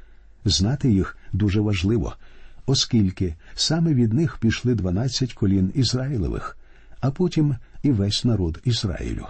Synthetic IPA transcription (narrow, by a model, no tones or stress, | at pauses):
znɑt̪ɪjixd̪uʒɛʋɐʒlˠɪʋɔ̰ɔskʲilʲkɪsɑmɛʋʲid̪nɪxpʲijʃlˠɪd̪ʋɐnɑt͡sʲːɐtʲkɔlʲinizrɑjilˠɔ̰ʋɪ̰x | ɐpɔtʲimiʋɛsʲnɐɾɔd̪izɾɑ̰jḭlʲʊ̰